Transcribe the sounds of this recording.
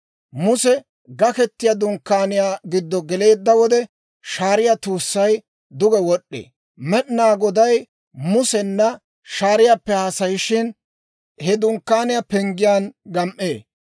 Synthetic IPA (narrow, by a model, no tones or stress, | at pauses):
mʊsɛ | ɡɐkɛt̪ːɪjad̪ʊŋkːaːnɪjaːɡɪd̪ːɔɡɛle̞ːd̪ːɐwɔd̪ɛ | ʃaːɾɪjat̪uːsːɐj | d̪ʊɡɛwɔɗːḛː | mɛɗnaːɡɔd̪ɐj | mʊsɛnːɐ | ʃaːɾɪjapːɛhaːsɐjɪʃɪn | hɛd̪ʊŋkːaːnɪjapɛŋɡɪjaːnɡɐmʔːeː